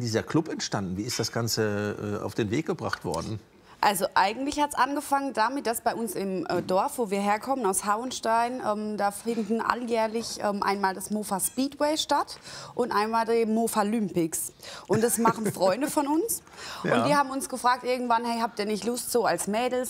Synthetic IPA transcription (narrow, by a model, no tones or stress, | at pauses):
diːzɐkʰlʊpɛntʃtandn̩viːɪstd̥asɡ̥ant͡səɛ̰ːʔa̰ʊfd̥eːnveːk̚ɡ̥əbʁa̰χtv̥ɔ̰ɐdn̩ | ʔalzoʔaɪɡŋ̩tlɪçhatsʔanɡəfaŋəndamɪt̚d̥asb̥aɪʔʊnsɪmʔɛːdɔɐfv̥oːviːɐɦeːɐkʰɔmənaʊshaʊnʃtaɪnʔɛːmdaːfɪndn̩ʔa̰ljɛːɐlɪçʔɛ̰ːmʔa̰ɪnmaːldasmoːfaspiːtwɛɪʃtatʔʊntʔaɪnmaːldiːmoːfalʏmpɪksʔʊnt̚d̥asmaχn̩fʁ̥ɔʏndəfɔnʊns | ʊntd̥iːɐhaːbm̩ʊnsɡ̥əfʁ̥aːk̚tʔɪɐɡŋ̩tv̥anhɛɪhaːp̚tiːɐnɪçtlʊstz̥oːalsmɛːdl̩